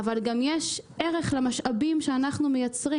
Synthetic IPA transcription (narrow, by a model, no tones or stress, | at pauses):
avalɡamjeʃe̞ʁe̞χlemaʃʔabimʃeanaχnumejat͡sʁi